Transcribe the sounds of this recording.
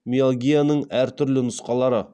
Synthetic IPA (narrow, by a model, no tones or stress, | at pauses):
mʲiolɡʲijanəɴæɾt̪ʰʏɾlɪnʊsqɑlˠɑɾə